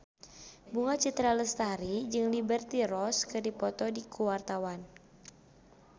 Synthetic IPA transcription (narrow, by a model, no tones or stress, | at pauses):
buŋat͡ʃit̪ɾaləst̪aɾid͡ʒɨŋlibərt̪iɾɔskɨdipɔt̪ɔdikʰuwart̪awan